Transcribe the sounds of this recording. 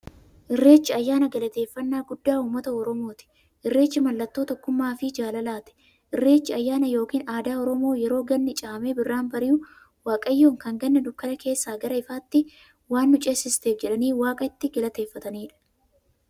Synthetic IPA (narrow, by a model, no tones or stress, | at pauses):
ʔɪrːe̞ːt͡ʃːɪɐjːaːnɐɡɐlɐt̪e̞ːfːɐnːaːɡʊd̪ːaːuːmːɐt̪ɐɔɾɔmo̞ːt̪ɪ̥ | ʔɪrːe̞ːt͡ʃːɪmɐlːɐt̪ːo̞ːt̪ɔkːʊmːaːfɪd͡ʒaːlɐlaːt̪ɛ̥ | ʔɪrːe̞ːt͡ʃːɪɐjːaːnɐjo̞ːkiːnaːd̪aːɔɾɔmo̞ːjɛɾo̞ːɡɐnːɪt͡ʃʼaːmebɪrːaːnbɐɾɪjʊ | waːkʼɐjːoːŋkɐŋɡɐnːɐd̪ʊkːɐnɐkʰe̞ːsːaːɡɐɾɐɪfaːt̪ːɪ | waːnːʊt͡ʃʼesɪst̪e̞ːfd͡ʒɛᶑɐniːwaːkʼɐɪt̪ːɪɡɐlɐt̪e̞ːfːɐt̪ɐniːᶑɐ̥